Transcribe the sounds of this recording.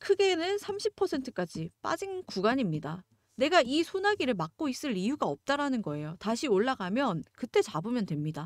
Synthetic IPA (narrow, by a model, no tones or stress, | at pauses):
kʰɯɡe̞nɯnsʰamɕʰipʰʌsʰe̞ntʰɯ̥k͈ad͡ʑip͈a̰d͡ʑinkuɡaɲimɲida | ne̞ɡaisʰonaɡiɾɯɭmak̚k͈ois͈ɯɭijuɡaʌp̚t͈aɾanɯnɡʌe̞jotaɕʰioɭːaɡamjʌnkɯt͈e̞t͡ɕabomjʌndwe̞mɲida